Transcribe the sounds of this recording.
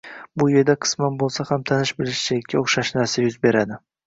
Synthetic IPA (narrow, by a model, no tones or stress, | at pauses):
bʊje̞ɾd̪aqʰɨ̥smanbolˠsahamt̪ʰanɪʃbɪlɪʃt͡ʃakʲːaoχʃaʃnaɾsajʊzbe̞ɾad̪ɪ